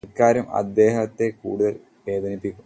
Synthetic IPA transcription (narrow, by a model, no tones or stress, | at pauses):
kːaːɾɐmɐ̰d̪ːe̞ːɦɐt̪ːe̞kuːɽuðɐl | ʋe̞ːd̪ʱɐnipːikʲːu